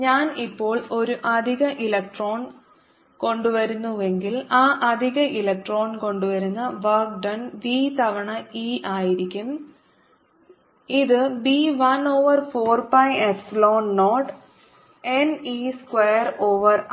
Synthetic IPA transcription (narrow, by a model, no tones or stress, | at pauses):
ɲaːnipːo̞ːɭo̞ɾuʔɐd̪ʱiɣɐʔilɐk̚ʈro̞ːn | ko̞ɳɖuʋɐɾunːuʋe̞ŋɡilaːʔɐd̪ʱiɣɐʔilɐk̚ʈro̞ːnko̞ɳɖuʋɐɾunːɐʋɐrk̚ɖɐnbiːt̪ɐʋɐɳɐiːʔaːjiɾikʲːum | iðɨbiːʋɐno̞ːʋɐrfoːrpɐjesloːnːoːʈ | eniːskwejːɐroːʋɐr